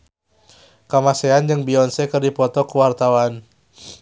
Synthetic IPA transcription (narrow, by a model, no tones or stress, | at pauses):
kamaseand͡ʒəŋbiɔnsɛkərdipɔt̪ɔkuwart̪awan